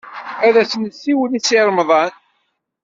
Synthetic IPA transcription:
æðæsənəsːiwəlisiɾˤmðˤɑn

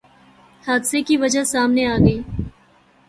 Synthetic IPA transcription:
haːd̪sekiʋɐd͡ʒasaːmneaːɡəiː

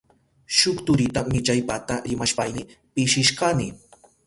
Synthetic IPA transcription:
ʃʊkt̪ʊɾɪt̪amɪt͡ʃajpat̪aɾɪmaʃpajnɪpɪʃɪʃkɑnɪ

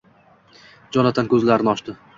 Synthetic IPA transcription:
d͡ʒɒnat̪ʰankʲʰɵzlaɾɪnɒʃt̪ɪ

